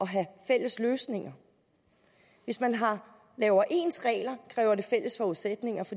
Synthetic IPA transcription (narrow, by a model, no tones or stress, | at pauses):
ɒ̽ɦæfel̰əsløːsne̝ŋɐ | ʋe̝smænɦɑ̈ | lɛːʊɐʔe̝ːnsʁɛ̰ːlɐkʰʁɛ̰ːʊɐde̝fel̰əsfɒuðˠsed̥ne̝ŋɐfɒ̥̽